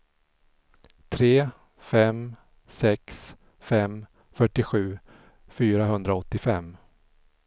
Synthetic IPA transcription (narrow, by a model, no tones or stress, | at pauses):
t̪ʰɾeː | fɛm | sɛks | fɛm | fœʈːɪɧʉ̟ː | fyːɾaɦɵnd̪ɾaɔt̪ːɪfɛmː